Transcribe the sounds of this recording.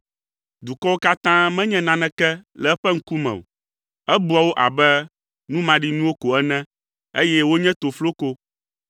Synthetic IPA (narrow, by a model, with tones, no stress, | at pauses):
d̪u˨kɔ˦wo˦ka˦t̪ã˦mɛ̃˦ɲɛ̃˦nã˨nɛ̃˦kɛ˦lɛ˨ɛ˦ɸɛ˦ŋ̩˦ku˦mɛ̰̃˨o̰˨ | ɛ˦bu˦a˨wo˦ʔa̰˨bɛ˦ | nũ˦mã˨ɖi˦nũ˦wo˦ko˨ɛ˦nɛ̃˦ | e˦jɛ˦wo˦ɲɛ̃˦t̪o˨flo˦ko˦